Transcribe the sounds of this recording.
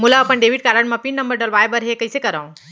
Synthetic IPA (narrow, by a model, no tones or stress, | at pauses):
mulaɐpənɖeːʋiʈ̚kaːɾə̃ɳmãpinːɐ̃mbəɾɖɐlʋaːjbɐɾɦekɐisekɐɾaːũ